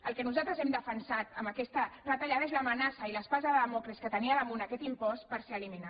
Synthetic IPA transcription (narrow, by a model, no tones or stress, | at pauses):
əlˠkənuzalt̪ɾəzɛmd̪əfənsat̪əmbəkɛst̪ərət̪aʎaðəezləmənasəiləspazəðəðəmɔkɾeskət̪əniəðəmunakɛt̪impɔst̪pəɾseəlimina